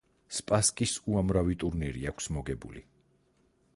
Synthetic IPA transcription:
spʼaskʼisuamɾavit̪ʼuɾniɾḭakʰsmɔɡɛbṵlḭ

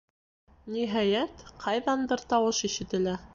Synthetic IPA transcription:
niɦɑjæt̪qʰɑjðɑnd̪ɤɾt̪ɑwɤʃiʃɘ̆t̪ɘ̆læ

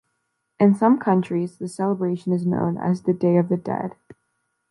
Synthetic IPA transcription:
ʔɨ̃nsʌ̃mkʰʌ̃nt͡ʃɹ̥izðɨsɛlˠəbɹeɪʃɨ̃nɨznõ̰ʊ̃nɨ̰zðɨdeɪʌvðɨdɛ̰d̥

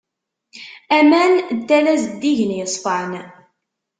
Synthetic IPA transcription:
æmænd̪ːælæzd̪ːiʝənjəsˤfəʕn

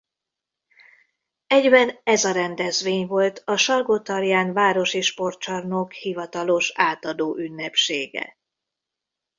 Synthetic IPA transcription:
ɛɟbɛnɛzɒɾɛnd̪ɛzʋeːɲvo̞lt̪ʰɒʃɒrɡot̪ɒrjaːnvaːɾo̞ʃiʃpo̞rt͡ʃɒrnokhivɒt̪ɒlo̞ʃaːt̪ɒd̪oːʔynːɛpʃeːɡɛ̰

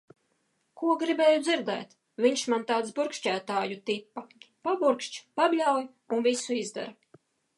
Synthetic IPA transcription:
kuɔɡɾibɛːjud̪ziɾd̪ɛ̰ːt̪ | vʲiɲʃmant̪aːt̪sbuɾkʃt͡ʃæːt̪aːjut̪ipːapabuɾkʃt͡ʃpablʲawj | unvisuizd̪ɛ̰ɾa

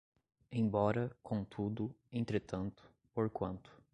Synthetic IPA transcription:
ẽj̃bɔɾɐkʰõt̪ʰud̪ʊẽnt̪ɾet̪ɐ̃nt̪ʊ̥ | poɾkwɐ̃nt̪ʊ̥

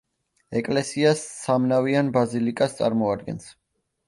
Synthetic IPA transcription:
ɛkʼlɛsiasːamnavianbazilikʼast̪sʼaɾmɔad̪̚ɡɛ̰ns

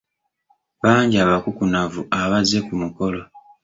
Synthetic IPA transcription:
βaːɲɟaβakukunavuʔaβaze̞kumuko̞lo̞

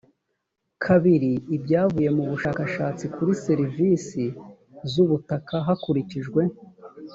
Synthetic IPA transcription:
kʰaβiɾiːbɟaːvuje̞muβuʃaːkaʃaːt͡sikʰuɾiseɾivisi | zuβutakaɦakuɾiciʒɡwe̞

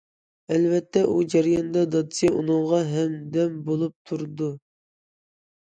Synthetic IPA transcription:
ɛlvɛt̪ʰːɛʔud͡ʒæɾjɑnd̪ɑd̪ɑt̪sijeʔunɨŋʁɑɦɛmd̪ɛmbolˠup̚t̪ʰuɾd̪u

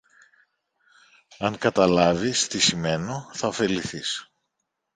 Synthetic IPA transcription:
ɐŋkɐt̪ɐlɐvist̪isime̞no̞θɐofe̞liθis

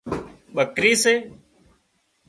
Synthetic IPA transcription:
ɓəkɾiːseː

